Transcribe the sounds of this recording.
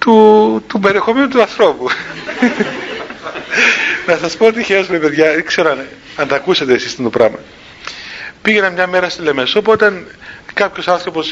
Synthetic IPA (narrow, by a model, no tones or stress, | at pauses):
t̪ut̪ube̞ɾie̞xo̞me̞nut̪uɐnθɾo̞pu | nɐsɐspoot̪içeospeipeðʝɐkse̞ɾoɐne | ɐnt̪ɐkuset̪eːsist̪end̪opɾɐmɐ | piʝenɐmɲɐme̞ɾɐst̪ilemesopot̪ɐn | kɐpço̞sɐnθɾopo̞s